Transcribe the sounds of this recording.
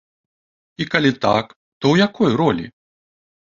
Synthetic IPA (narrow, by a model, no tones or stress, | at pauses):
ikalʲit̪a̰k | t̪ɔwjakɔjrɔlʲḭ